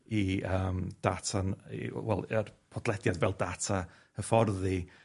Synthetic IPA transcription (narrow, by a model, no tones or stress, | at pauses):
iəːmd̥atʰan̰wɛ̰lˠərpʰɔd̥lˠɛdjadvɛlˠdatʰa | əfɔrði